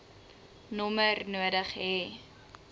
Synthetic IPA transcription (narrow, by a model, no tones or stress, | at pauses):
nɔmərnuədəχɦɛ